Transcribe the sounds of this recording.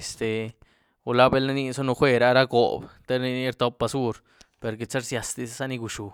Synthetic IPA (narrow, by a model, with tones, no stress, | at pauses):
e˨st̪e˨ | u˧la˦be˧˦lna˦ni˦so˦nu˧xʷe˦ɾa˦ɾa˦ɡo̰˨bt̪e˦ɾni˧ni˦ɾt̪o˧˦pːa˧su˦ɾ | pe˨ɾɡe˨t͡sa˦ɾsja˧st̪i˧ssa˦ni˧ɡu˨ʃu˨